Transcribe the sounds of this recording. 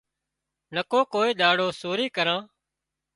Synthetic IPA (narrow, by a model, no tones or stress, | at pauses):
nəkoːkoːiːɗ̪aːɽoːsoːɾiːkəɾãː